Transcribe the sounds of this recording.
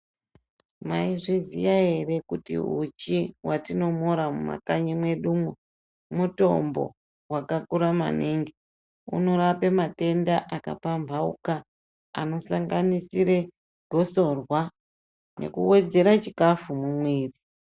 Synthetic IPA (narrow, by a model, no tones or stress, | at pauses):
maiʐizijaere̞kutḭṵt͡ʃiwatino̞moɾamuma̰kaɲimwe̞ɗumo | muto̞̰mbo̞̰ | wakakuɾama̰neŋɡe | ṵno̞ɾapemate̞ndaʔaka̰pambʱaṵka̰ː | no̞saŋɡanisiɾe̞ | ɡʱo̞so̞rwa | nʔe̞̰kuwe̞d͡ze̞ɾat͡ʃikafumumwiːri